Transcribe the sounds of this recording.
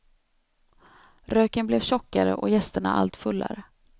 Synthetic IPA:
ɾøːkənblɛvɕɔkːaɾə̰ʔɔjɛst̪əɳaa̰lt̪fɵlːa̰ɾə

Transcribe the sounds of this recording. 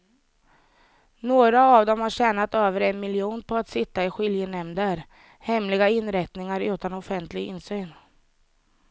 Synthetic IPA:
noːɡɾaːvd̪ɔmhaɕɛːnat̪øːvəɾɛnmɪljuːnpʰɔat̪sɪt̪ːaɪɧɪljənɛmd̪əɾ | hɛmlɪɡaɪnːɾɛt̪nɪŋaɾʉ̟ːt̪anɔfɛnt̪ʰlɪɡɪ̰nːsyːn

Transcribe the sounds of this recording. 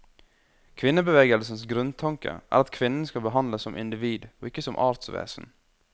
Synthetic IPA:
kʰʋɪnːəbəʋeːɡəlsən̩sɡɾʉnt̪ʰɑŋkə̰ʔæ̰ːɾɑt̪kʰʋɪnn̩skɑlbəɦɑnd̪ləsːɔmʔɪ̰nd̪ɪʋiːd̪oːɪkːəsɔmʔɑːɾt̪sʋḛːsn̩

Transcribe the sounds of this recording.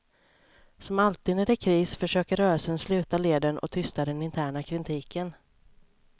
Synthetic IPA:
sɔmalt̪ɪːd̪næɖɛkʰɾiːsfœʂøːkəɾœːəsənslʉ̟ːt̪aleːd̪əɳʔɔ̰t̪ʰʏst̪ad̪ɛnɪnt̪ʰæːɳakʰɾɪnt̪ʰiːkən

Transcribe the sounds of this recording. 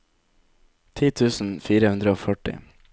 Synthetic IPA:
t̪ʰiːt̪ʰʉːsn̩fiːɾəhʉnd̪ɾəoːfœʈɪ̰

